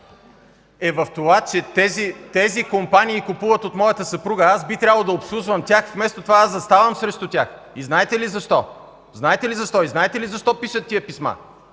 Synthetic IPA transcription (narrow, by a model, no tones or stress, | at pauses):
ɛvɐft̪ovat͡ʃɛt̪ɛzit̪ɛzikompaniːkupuvət̪ot̪mɔjɐt̪əsɐpɾuɡəasbit̪ɾʲabəlˠod̪ɐopslˠuʒvəmt̪ʲaxfmɛst̪ot̪ovaazzɐst̪avɐmsɾɛʃt̪ʊt̪ʲax | iznaɛt̪ɛlizɐʃt̪ɔ | znaɛt̪ɛlizɐʃt̪ɔiznaɛt̪ɛlizɐʃt̪ɔpiʃət̪ːiəpisma̰